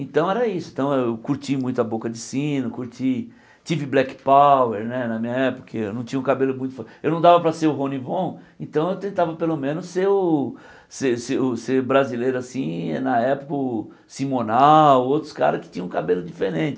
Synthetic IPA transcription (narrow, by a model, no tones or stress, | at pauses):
ẽt̪ɐ̃w̃ɛɾɐisʊẽt̪ɐ̃w̃ewkuɾt͡ʃimũj̃t̪ʊɐbokɐd͡ʒɪsĩnɐkuɾt͡ʃi | t͡ʃivɪblɛkpaweɾnɛnɐmĩɲɐɛpʊ̥kɐewnɐ̃w̃t͡ʃĩɲɐ̃ũkabelʊmũj̃t̪ʊfewnɐ̃w̃d̪avɐpɾɐseɾʊɦõnivõẽnt̪ɐ̃w̃ewt̪ẽnt̪avɐpelomẽnʊsːeɾʊ | seseʊseɾbɾazilejɾʊasḭ̃nɐɛpʊ̥kɐʊ | sĩmonaowt̪ɾʊska̰ɾɐskɪ̥t͡ʃĩɲɐ̃ũkabelʊd͡ʒifeɾẽnt͡ʃɪ